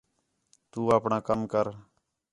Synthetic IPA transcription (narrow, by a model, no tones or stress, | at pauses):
t̪uːaːpɳãːkəmkəɾ